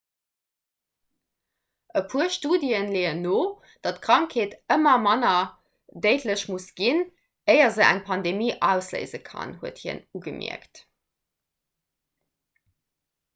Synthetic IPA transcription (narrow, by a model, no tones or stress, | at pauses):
ʔəpʰuɐʃtuːdiənleːənoː | d̥ɑtkʁɑŋkʰheːtəmɐmɑnɐ | dəɪtʰləɕmusɡ̥in | əɪɐzəʔæ̰ŋpʰɑndemiːʔæʊslə̰ɪzəkʰɑ̰nhuəthiə̰nuɡəmḭə̰kt